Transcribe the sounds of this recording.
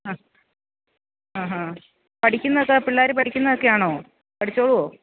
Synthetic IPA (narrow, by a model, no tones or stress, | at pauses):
ha | aːɦa | pɐʈʰikʲːunːɐðokːepiɭːaːɾupɐʈʰikʲːunːɐðokːejaːɳoː | pɐʈʰit͡ɕːoːɭuoː